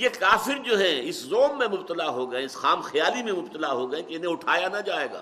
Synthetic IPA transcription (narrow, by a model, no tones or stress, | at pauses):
jekaːfɪɾd͡ʒoːɦɛ̃ɪszoːmːẽmʊbt̪əlaɦoɡɐɛ̃ɪsxaːmxjaːlimẽmʊbt̪əlaɦoːɡɐɛ̃keɪnɦẽʊʈʰaːjanad͡ʒaːeːɡa̰ː